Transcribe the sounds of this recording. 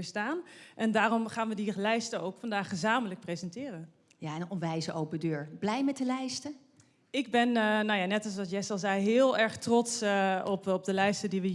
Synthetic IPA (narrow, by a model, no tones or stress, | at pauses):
əɹstaːnʔɛndaːrɔmχaːnʋədilɛjstəowkfɑndaːχəzaːmələk̚prezɛntɪːrən | jaɛnɔnʋɛjzəʔowpədøːɹb̥lɛjmɛtdəlɛjstə | ɪɡbɛnnawjaːnɛtɑls̬ʋɑtjɛstɑlˠzɛjɦɪːlˠɛɹχtrɔtsɔpɔp̚dəlɛjstədiʋə